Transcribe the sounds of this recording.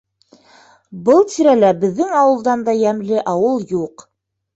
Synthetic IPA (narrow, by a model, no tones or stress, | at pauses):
bɤlˠt̪iɾælæbɘ̆ðːɘŋɑwɤ̆lˠd̪ɑnd̪ɑjæmlɘʔɑwɤlˠjuq